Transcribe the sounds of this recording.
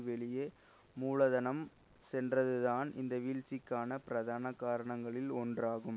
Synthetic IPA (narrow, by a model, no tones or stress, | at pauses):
ʋɛɭɪje | muːɭɐðɐnɐm | sɛndrɐðɯðaːnɪnd̪ɐʋiːlt͡ʃɪkːaːnɐpɪɾɐðaːnɐkːaːɾɐɳɐŋɡɐɭɪlɔndraːɣɯm